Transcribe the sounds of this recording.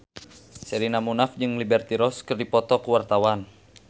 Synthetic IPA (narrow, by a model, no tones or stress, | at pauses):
sɛɾinamunafd͡ʒɨŋlibɛrt̪iɾɔskɨrdipɔt̪ɔkuwart̪awan